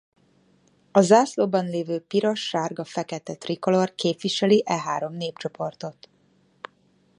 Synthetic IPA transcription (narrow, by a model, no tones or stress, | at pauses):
ɒzaːsloːbɒnleːvøːpiɾɒʃːaːrɡɒfɛkɛt̪ɛt̪rikolo̞rkeːpʋiʃɛliʔɛɦaːɾo̞mneːpt͡ʃo̞po̞rt̪o̞t̪